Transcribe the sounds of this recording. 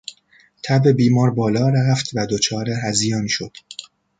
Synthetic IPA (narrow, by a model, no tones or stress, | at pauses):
t̪ʰæbe̞biːmɒːɾbɒːlɒːɾæft̪ʰvæd̪ot͡ʃʰɒːɾeɦæzijɒːnʃod̪̥